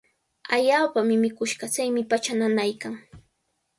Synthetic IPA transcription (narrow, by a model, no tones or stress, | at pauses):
aʎaːpamɪmɪkʊʃɢɑt͡sajmɪpat͡ʃananajkaŋ